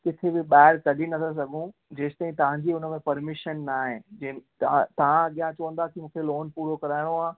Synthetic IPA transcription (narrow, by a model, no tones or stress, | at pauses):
kɪt̪ʰebɪɓaːɪɾkɐɗinɐt̪ʰas̬ɐɡʱũd͡ʑeːst̪aːĩt̪ɐʋ̤ãɲd͡ʑiʊnəmẽpɐɾmɪʃənːaːɦɪ̃d͡ʑẽt̪t̪ɐʋ̤ãɐɠijãt͡ɕɐʋə̃nd̪aːkimũːkʰeloːnpuːɾokɐɾaːɪɽ̃oaː